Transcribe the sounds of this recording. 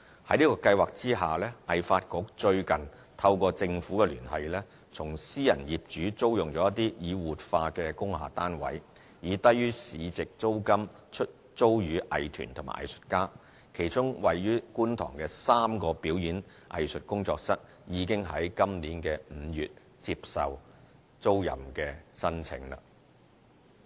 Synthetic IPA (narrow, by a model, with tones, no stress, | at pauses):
hɐ˨˥jniː˥kɔː˧kɐ˧jwaː˨k̚t͡siː˥ɦaː˨lɛː˥ʔɐ˨jfaː˧t̚kʊ˨˧˥k̚t͡ʃɵ˧ɥkɐ˨˩n | t̪ʰɐ˧wkɔː˧t͡sɪ˧ŋfu˨˥kɛ˧lyː˨˩nhɐ˨jlɛː˥ | t͡sʰʊ˨˩ŋsiː˥jɐ̰˨˩njiː˨p̚t͡ʃyː˨˥t͡so˥wjʊ˨˩ŋt͡sɔː˨˦jɐ˥t̪iː˥jiː˨˧wuː˨t̚faː˧kɛː˧kʊ˥ŋha̰ː˨t̪aː˥nwɐ̰˨˥j | jiː˨˧t̪ɐ˥jːyː˥siː˨˧t͡sɪ˨k̚t͡so˥wkɐ˥m | t͡ʃʰɵ˥t̚ | t͡so˥wjyː˨˥ʔɐ˨jt̪ʰy̰ː˨˩nt̪ʰʊ˨˩ma̰˨˩ʔɐ̰˨jsɵ̥˨t̚kaː˥ | kʰe˨˩jt͡sʊ˥ŋwɐ˨jːyː˥kuː˥nt̪ʰɔ̰ː˨˩ŋkɛ˧saː˥mkɔː˧piː˨˥wjyː˨˥n | ʔɐ̰˨jsɵ˨t̚kʊ˥ŋt͡sɔː˧k̚sɐ˥t̚ | jiː˨˧kɪ˥ŋɦɐ˨˥jkɐ˥mnliː˨˥nkɛː˧m̩˨˧jyː˨t̚ | t͡si˧p̚sɐ̰˨w | t͡so˥wjɐ̰˨˩mkɛː˧sɐ˥nt͡sʰɪ̰˨˧˥ŋla̰ː˧